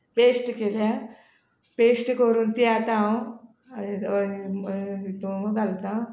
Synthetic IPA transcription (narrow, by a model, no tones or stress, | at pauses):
pesʈkela | pesʈkoɾuːnt̪ijat̪aõ | t̪uɡalt̪ã